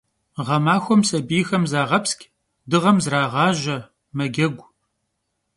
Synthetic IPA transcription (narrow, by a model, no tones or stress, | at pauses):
ʁɐmaːxʷɔmsɐbijxɐmzaːʁɐpskʲ | dɨʁɐmzraːʁɑːʒɐ | mɐɡʲɐɡʷ